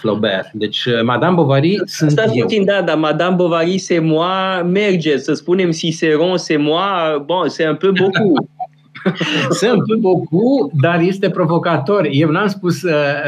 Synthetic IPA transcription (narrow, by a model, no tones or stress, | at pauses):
flo̰bḛrd̪et͡ʃʲmad̪ambovaɾisɨst̪afind̪ad̪amad̪ambovaɾisemwamerd͡ʒesəspune̞msiseɾõsemwaboseɨmplɨmboku | seɨmplɨbokud̪arje̞st̪e̞pɾo̞vo̞kat̪o̞rʲjewnamspusə